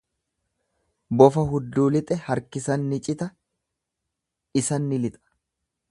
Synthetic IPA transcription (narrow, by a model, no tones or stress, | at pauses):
bɔfɐɦʊd̪ːuːlɪt̪ʼɛhɐɾkɪsɐnːɪt͡ʃʼɪt̪ɐ | ɪsɐnːɪlɪt̪ʼɐ̥